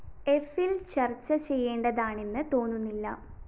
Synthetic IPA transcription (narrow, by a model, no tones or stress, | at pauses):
e̞filt͡ɕɐrt͡ɕːɐt͡ɕe̞jːe̞ːɳɖɐðaːɳenːɨt̪o̞ːɳːunːilːɐ̰